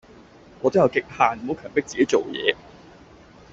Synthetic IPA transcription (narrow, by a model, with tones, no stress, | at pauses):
ŋɔː˨˧t̪o˥jɐ˧wkɪ˨k̚haː˨˩nm̩˨ho˨˥wkʰœː˨˩mpɪ˥k̚t͡siː˨ke˨˥jt͡so˨wjɛ̰ː˨˧